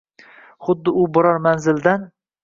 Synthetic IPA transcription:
χʊd̪ːɪʊbʊɾɒɾmanzɪld̪an

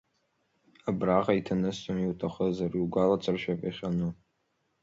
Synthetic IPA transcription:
abraʁaitʰanɨstʼomiwtʰaχəzariwɡʷalat͡sʼɨrʃapʼaχʲanɨ

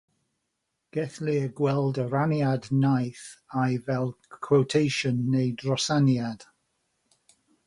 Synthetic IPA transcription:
ɡ̥ɛθlɪəɡwɛlˠdəɾanjadnajθajvɛlˠkʰwowtʰejʃənːejdrɔsanjad̥

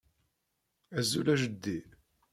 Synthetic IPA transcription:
æzːulæʒəd̪ːi

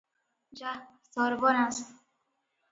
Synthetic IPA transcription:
d͡ʒa | sɔɾbɔnast̪

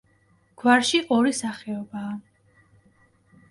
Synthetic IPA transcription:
ɡ̥waɾʃiʔɔɾisaχɛɔbaː

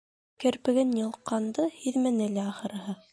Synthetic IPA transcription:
kɘ̆ɾpɘ̆ɡɘnjɤ̆lˠqːɑnd̪ɤhiðmænɘlæɑχɤ̆ɾɤ̆ɦɤ

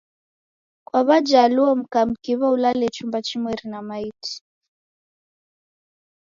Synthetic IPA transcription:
kwaβad͡ʒaːluɔm̩kam̩kiβaulalɛt͡ʃumbat͡ʃimwɛɾinamaiti̥

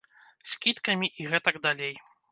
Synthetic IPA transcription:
sʲkʲit̪kɐmʲiʔiɣɛt̪ɐɡd̪alʲej

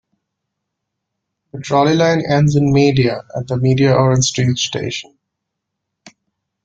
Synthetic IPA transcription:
pəʈʰɾɔlilãɪ̃nɛ̃nɖzɪ̃nmiːɖiaæ̰ʈ̚d̪əmiːɖiaʔɔːɾə̃nsʈɾiːʈsʈḛːʃə̃n

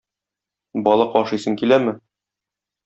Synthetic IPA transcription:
bɒlˠɤqɒʃɤ̆jsɤŋkilæmɘ

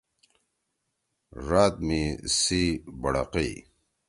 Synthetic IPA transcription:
ɾaːt̪̚misibɐɽa̰qi

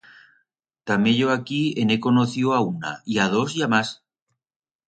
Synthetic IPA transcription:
t̪amjeʎoakienekonoθiwauna̰iað̞o̞siamas

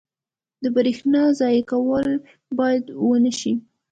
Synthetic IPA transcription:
d̪əbəɾexnɑzɑjkawəl | bɑjad̪wənəʃi

